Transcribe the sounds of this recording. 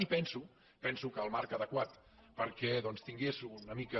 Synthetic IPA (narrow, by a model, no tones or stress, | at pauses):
ipɛnsu | pɛnsukəːlˠmaɾkəðəkwat̪ | pəɾkɛðɔnst̪iŋɡesunəmikə